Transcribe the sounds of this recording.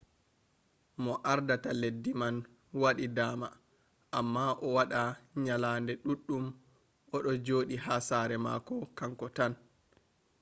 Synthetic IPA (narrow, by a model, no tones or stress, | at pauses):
mɔʔaɾdataledːiman | waɗidaːma | ʔamːaʔɔwaɗaɲalaːndɛɗuɗːum | ʔɔɗɔd͡ʒoːɗihasaːɾɛma̰ːkɔkaŋkɔtan